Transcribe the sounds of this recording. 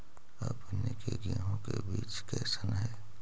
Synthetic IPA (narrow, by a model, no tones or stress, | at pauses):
əpnekeɡaɦõkebiːt͡ʃkɛːsənɦɛː